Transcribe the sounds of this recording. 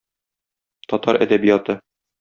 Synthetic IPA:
t̪ɒt̪ɑɾʔæ̰d̪æbijɑt̪ɤ

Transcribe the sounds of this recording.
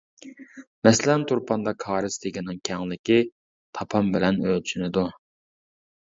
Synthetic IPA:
mɛslɛnt̪ʰuɾpʰɑnd̪ɑkʰɑːɾɨsd̪eɡʲɪnɪŋkʲʰɛŋlɪkʲi | t̪ʰɑpʰɑmbɪlɛnølt͡ʃʰynɪd̪u

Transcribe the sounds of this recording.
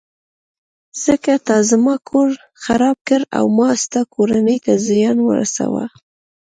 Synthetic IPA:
z̥əkat̪ɑzmɑkʰoɾ | xaɾɑb̚kəɾa̰wmɑst̪akʰoɾanəjt̪azɪjɑnwə̰ɾa̰sa̰wa̰

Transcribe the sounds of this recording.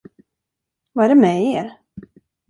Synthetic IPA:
vaæɾɛmɛeːɾ

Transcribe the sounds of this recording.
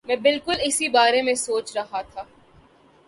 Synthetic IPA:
mɛ̃ːbɪlkʊlɪsibaːɾẽmẽsoːt͡ʃɾɐɦat̪ʰaː

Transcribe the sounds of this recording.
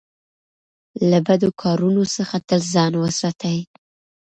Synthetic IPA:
labad̪okʰɑɾunosəxat̪əlzɑnwəsɾɑt̪awi

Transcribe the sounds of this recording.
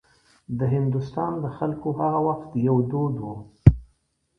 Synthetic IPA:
d̪əɦɪnd̪ʊst̪ɑnd̪əxalkohaɣawaxt̪jawd̪od̪wu

